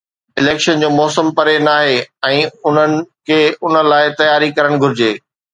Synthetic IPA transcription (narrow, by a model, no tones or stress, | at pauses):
ɪleːkʃənd͡ʑoːmɔːsəmpɐɾenaːɦeɛ̃ːʊn̤ənɪ̆kʰeʊnə̆laːɪt̪ɐjaːɾikɐɾəɽ̃ɡʱʊɾɪd͡ʑeː